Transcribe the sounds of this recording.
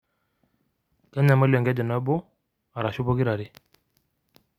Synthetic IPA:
ka˦ɲa˨mə˦lɛ˨ŋɡɛ˦də˨na˦bo˦ | a˨ɾa˨ʃu˦bo˦ki˦ɾa˨ɾi˦

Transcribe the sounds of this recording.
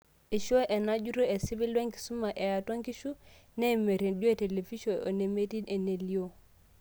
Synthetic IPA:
i˨ʃo˦ʔe˨na˦d͡ʒu˦ɾo˦e˨si˦bi˦lwe˦ŋki̥˨su˦ma˨ʔe˨ja˨twa˦ŋki˦ʃu˦ne˦˨me˨ɾe˨nd͡ʒo˦e˦˨te˨le˨fi˦ʃo˨o̰˨ne˨me˦ti˦ne˨ne˨li˦o˦˨

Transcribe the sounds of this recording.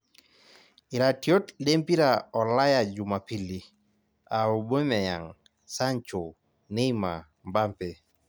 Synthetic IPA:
ɪ˨ɾa˨tjo˦tle˦mpi˦ɾa˨ɔ˨la˦ja˨d͡ʒu˨ma˨pi˨li˨ | a˨o˨bo˦mɛ˨ja̰˨ŋ | sa˦ɲt͡ʃo˨ | ne˦i˦ma̰˨ | mba˦mpe˨

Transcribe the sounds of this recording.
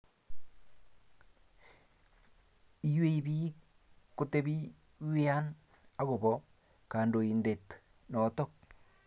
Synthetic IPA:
i˦jwe˦i˨βi˦ | ko˦te˦βi˦ | we˦a˦n | a˦ɣo˨βɔ | kaː˨ndo˨i˨nde˨t | nɔ˨t̪ɔ˦k̚

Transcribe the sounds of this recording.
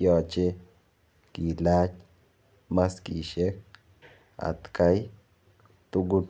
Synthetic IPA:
jɔ˨t͡ʃe˦ | ki˨la˦t͡ʃ | ma˦ski˨ʃe˦k̚ | a̰˨t̪ka˦j | t̪u˦ɡu˦

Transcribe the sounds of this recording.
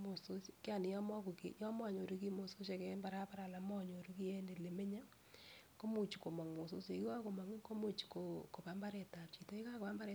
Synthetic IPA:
mo˨so˦skja˨nɪ˨jɔ˦mɔ˦ko˨ke˨˦jɔ˦mɔ˦˨ɲo˨ɾu˦ki˦mo˨so˦ʃa˨kɛ˦mba˨ɾa˦pa˦ɾa˨la˨mɔ˦ɲo˨ɾu˦ki˦je˦nde˨le˨me˦ɲa˦ | ko˦mu˨t͡ʃi˨ko˨ma˨ŋmo˨so˦se˨˦a˦ko˨ma˨ŋ˦ko˦mu˦t͡ʃi̥˨ko˨ko˨pa˨mba˦ɾe˨ta˨p̚t͡ʃi˨to˨˦i˦ka˦ko˨pa˦mba˦ɾe˨

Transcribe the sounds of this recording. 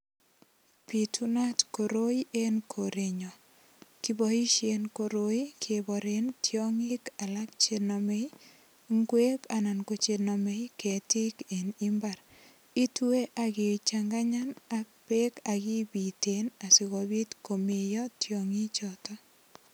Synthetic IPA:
pi˨tu˦na˦tko˨ɾo˦i˦ʔe˦nkʰo˨ɾe˨ɲɔ˨ | ki˦bɔ˨i˦ʃje˨nko˨ɾo˦i˦kʰe˨bɔ˨ɾe˦ntjɔ˦ŋi˦ka˨lak̚t͡ʃe˨nɔ˨me˦j | ŋɡwe˦ka˨na˨nko˨t͡ʃe˧nɔ˨me˨˦jke˨ti˦ke˨ni˦mba˨ɾ | i˦tu˦e˦ʔakɪ˨t͡ʃaŋɡa˦ɲa˦nak̚pe˦ka˨ɡi˦bi˨te˨na˨si˨ɣo˨bi˦tko˨me˨jɔ˦tjo˨ŋi˦t͡ʃɔtɔ˦

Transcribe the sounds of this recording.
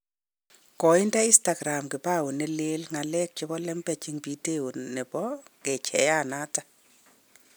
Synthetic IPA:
kɔ˨ɪ˦nda˦ɪ˦sta˨ɡɾa˨mkɪ˨pa˦˨wʊ˨nɛ˦le˦lŋa˨lɛ˦k̚t͡ʃɪ˦bɔ˦lɛ˦mpɛ˨t͡ʃɪ˦ŋpi˦te˦o˨nɛ˨pɔ˦ke˨t͡ʃʰɛ̰˨ja˦˨na˦ta˦

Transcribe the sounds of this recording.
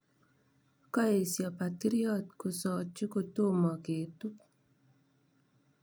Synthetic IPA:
kɔ˦e˨sjɔ˨pa˨ti˦ɾi˦ɔ˦˨t̚ko˨sɔ˨t͡ʃi˦ko˨to˦˨mɔ˨ke˨tu˦k̚

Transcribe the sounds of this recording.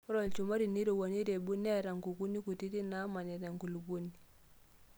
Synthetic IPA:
ɾɔ˨lt͡ʃu˨ma˦ɾi˨ni˦ɾo˨wo˨ni˦ɾe˨bu˦ne˦ɾa˨ŋɡu˨ɡu˦ni˦ku˨ti˦ti˦na˦ma˨ne˨da˨ŋku˨lu˨ɡu˦ni˨

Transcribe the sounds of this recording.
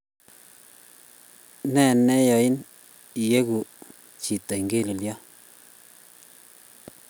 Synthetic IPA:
nɛ˦˨nɛ˦jɔ˨i˦n | i˨je˦ɡu˨ | t͡ʃi˨t̪a˨i˨ŋɡe˦˨li˨ljɔ˦

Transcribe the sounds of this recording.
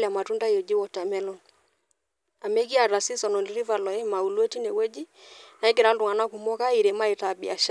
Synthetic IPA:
lja˨ma˨tu˦nda˦jo˨d͡ʒi˦wɔ˨ta˨mɛ˦lɔ˦n | a˨me˦ki˦a˨ɾa˨si˦sɔ˨nɔ˨ni˦ɾi˦va˨lɔ˨e˦ma˨u˨le˦ti˦ne˨wɛ˦d͡ʒi˦na˨i˦k̬ɪ˨ɾa˦ldu˨ŋa˨na˦ku˨mɔ˦ka˦i˨ɾe˨ma˦i˨ta˨bḭ˨a˨ʃ

